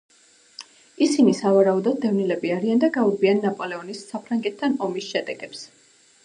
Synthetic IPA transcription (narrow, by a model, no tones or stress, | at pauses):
isinisavaɾaud̪ɔd̪̚ːɛvnilɛbiaɾiand̪aɡaubianːapʼɔlɛɔnisːapʰɾaŋɡɛt̪ʰtːanɔmisʃɛd̪ɛɡɛps